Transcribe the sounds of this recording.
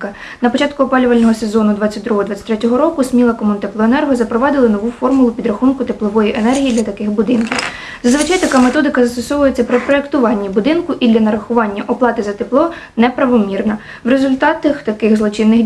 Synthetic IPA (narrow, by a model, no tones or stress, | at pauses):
kɐ | nɐpɔt͡ʃɑt̪̚kʊɔpɑlʲʊʋɐlʲnɔɦɔse̞zɔnʊd̪ʋɑt͡sʲːɐt̚ʲd̪ɾuɦɔd̪ʋɑt͡sʲːɐt̪ɾɛtʲɔɦɔɾɔkʊsmʲilˠɐkɔmɔnt̪eplˠɔenɛrɦɔzɐpɾɔʋɑd̪ɪlˠɐnɔʋufɔrmʊlˠʊpʲid̪ɾɐxunkʊt̪eplˠɔʋɔjiʔenɛrɦijid̪lʲɐt̪ɐkɪxbʊd̪ɪnkʲɪw | zɐzʋɪt͡ʃɑjt̪ɐkɑmet̪ɔd̪ɪkɐzɐst̪ɔsɔʋʊjet͡sʲːɐpɾɪpɾɔekt̪ʊʋɑnʲːibʊd̪ɪnkʊʔid̪ʲlʲɐnɐɾɐxʊʋɑnʲːɐʔɔplˠɑt̪ɪzɐt̪eplˠɔ | nɛpɾɐʋɔmʲirnɐ | ʋɾe̞zʊlʲt̪ɑt̪ɐxt̪ɐkɪxzlˠɔt͡ʃɪnːɪx